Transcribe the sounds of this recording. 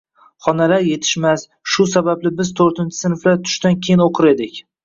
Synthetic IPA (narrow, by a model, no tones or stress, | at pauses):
χɒnalaɾje̞t̪ʰɪ̥ʃmas | ʃʊsabablɪbɪzt̪ʰoɾt̪ʰɪnt͡ʃʰɪ̥sɪnɪflaɾt̪ʰʊ̥ʃt̪ankʲʰejɪnoqʰɨɾe̞d̪ɪkʲ